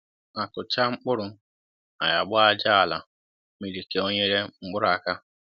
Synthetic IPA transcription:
a˨kʊ˨t͡ʃa˦ŋ͡m̩˦k͡pʊ˦ɾʊ˦ | a̰˨ja˨ɡ͡bɔ˦a˦d͡ʒa˦a˨la˨ | mi˨ɾi˨ke˦o˦ɲe˦ɾe˦ŋ͡m̩˦k͡pʊ˦ɾa˨ka˦

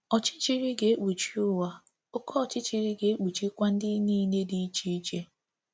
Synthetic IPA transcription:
ɔ˨t͡ʃɪ̥˦t͡ʃi˨ɾi˦ɡe˨e˦k͡pu˨t͡ʃi˦ʊ˦wa˦ | o˦kɔ˦ɔ˨t͡ʃɪ˦t͡ʃi˨ɾi˦ɡe˨e˦k͡pu˨t͡ʃi˦kʷa˦n̩˦dɪ˦ni˦ne˦di˦i˦t͡ʃi˦i˦t͡ʃe˦

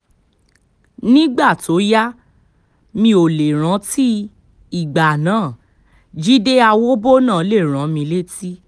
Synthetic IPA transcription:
nĩ˦ɡ͡ba˦˨to˨˦ja˦ | mĩ˧o˨le˨ɾ̃ã˨˦ti˦ | i˦˨ɡ͡ba˨nãː˨˦˨ | d͡ʒi˦de˦a˧wo˦bo˦nãː˦˨˦le˦˨ɾ̃ã˨˦mĩ˧le˦ti˦

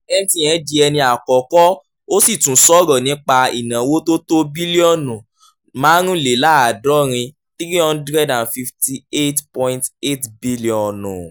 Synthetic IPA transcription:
ɛ˦ñ˦tĩ˦j̃ɛ̃˨˦d͡ʒi˧ɛ˧nĩ˧a˨kɔ˨kɔ˦ | o˦si˦˨tũ˨sɔ˦ɾɔ˨nĩ˨˦k͡pa˧ḭ˨nã˨wo˦to˦to˦bi˦li˦ɔ˦˨nũ˨ | mãː˨˦ɾ̃ũ˦˨le˨˦la˦a˨dɔ˨˦ɾ̃ĩ˧ | t̪ɾi˦ɔ̃˦n̩˦dɾɛ˦dã˨n˨fi˧fti˦e˦tpɔ̃˧j̃nte˦tbi˦li˦ɔ̃˨nṵ̃˨

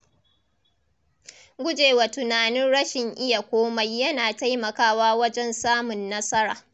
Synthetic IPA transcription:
ɡʷʊ˦d͡ʒeː˨wa˨tʊ˨naː˨nɪ˦nɽɐ˦ʃɪ˨ŋʔɪ˦ja˨kʷoː˦ma˦jːɐ˦naː˨ta˦jmɐ˨kaː˦waː˦wɐ˦d͡ʒɛ˦nsaː˦mʊ˨nːɐ˦sɐ˦ɽaː˨

